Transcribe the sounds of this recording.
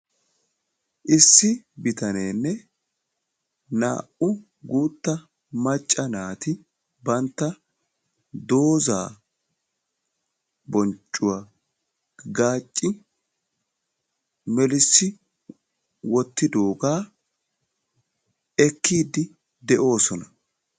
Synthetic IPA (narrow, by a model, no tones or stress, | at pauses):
ʔɪsːɪbɪt̪ɐneːnːɛ | na̰ːʔʊ | ɡuːt̪ːɐ | mɐt͡ʃʼːɐnaːt̪ɪ | bɐnt̪ːɐ | d̪o̞ːza̰ː | bɔnt͡ʃʼːʊwa | ɡaːt͡ʃʼːɪ | mɛlɪsːɪ | wɔt̪ːɪd̪o̞ːɡaː | ɛkːiːd̪ɪ | d̪ɛʔo̞ːsɔnɐ